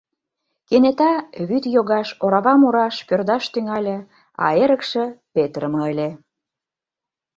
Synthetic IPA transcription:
kenet̪ɑβyt̪joɣɑʃoɾɑβɑmoɾɑʃpørd̪ɑʃt̪yŋɑlʲĕ | ɑ̰eɾə̆kʃĕpet̪ɾəməəlʲe

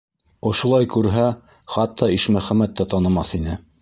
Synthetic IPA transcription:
ŏʃŏlˠɑjkʉɾɦæ | χɑt̪ʰːɑiʃmæχæmæt̪ːæt̪ɑnɤ̆mɑθinɘ

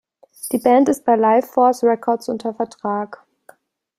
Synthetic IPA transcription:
d̥iːbɛntɪst̚b̥aɪlaɪfɔɐsʁɛkʰɔɐtsʔʊntʰɐfɛɐtʁ̥aːk

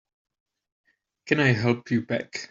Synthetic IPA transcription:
kʰə̃naɪɦɛlˠpʰjəbɛ̰k

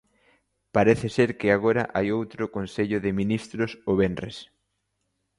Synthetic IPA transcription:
paɾeθɪseɾkɪaɣ̞oɾɐ̰ʔajowt̪ɾʊkonseʎʊðɪminist̪ɾʊsoβenrḛs

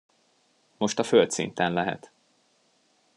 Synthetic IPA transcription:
mo̞ʃt̪ɒfølt̪sḭnt̪ɛnlɛɦɛ̰t̪

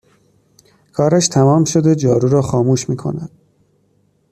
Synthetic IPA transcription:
kʰɒːɾæʃt̪ʰæmɒːmʃo̞d̪ed͡ʒɒːɾuːɾɒːxɒːmuːʃmiːkʰo̞̰næd̪̥

